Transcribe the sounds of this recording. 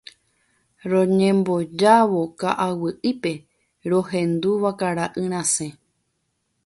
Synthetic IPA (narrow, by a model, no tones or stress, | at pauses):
ɾõɲẽmbo̞d͡ʒaʋo̞kaʔawɨʔɨpe̞ | ɾoɦẽ̞nd̪uʋakaɾaʔɨɾ̃ãsẽ